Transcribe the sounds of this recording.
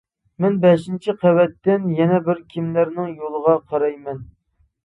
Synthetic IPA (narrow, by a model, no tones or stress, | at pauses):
mɛnbɛʃint͡ʃʰiqʰæwɛt̪ːɪnjɛnɛbɪɾkʲʰimlæɾnɪŋjolˠəʁɑqʰɑɾɑjmɛn